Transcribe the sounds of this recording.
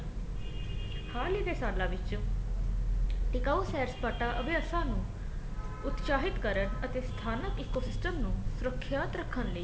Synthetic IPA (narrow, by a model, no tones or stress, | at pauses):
haːliːd̪eːsaːɾlãːʋɪt͡ʃ | ʈɪkaːusɛːɾspaːʈaːʔəbɪjaːsãːnũː | ʊt̪ʃaːɦɪt̪kəɾənət̪eːst̪ʰaːnəkiːkoːsɪsʈəmnũːsʊɾəkʰːjaːt̪ɾəkʰːənləiː